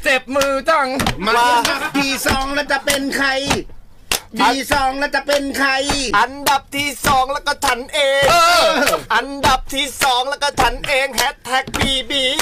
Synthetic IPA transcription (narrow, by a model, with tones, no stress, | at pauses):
t͡ɕe˨˩p̚mɯː˧t̪ɔ˥˩ŋma˧aː˧a˨˩p̚t̪ʰiː˥˩sɔː˩˦ŋlɛː˧˥wt͡ɕa˨˩pe˧nkʰa˧j | tʰiː˧˩sɔː˩˦ŋlɛː˧˥˩t͡ɕa˨˧˩pe˧nkʰa˧jʔa˧nda˨˩p̚t̪ʰiː˥˩sɔː˩˦ŋlɛ˦˥˩kɔ˧˩t͡ɕʰa˦˥nʔeː˧ŋ | ʔa˧nda˨˩p̚t̪ʰiː˥˩sɔː˩˦ŋlɛː˦˧˩wkɔ˧˩t͡ɕʰa˦˥nʔeː˧ŋhɛ˦˥t̪ʰːɛ˦˥k̚biː˧biː˧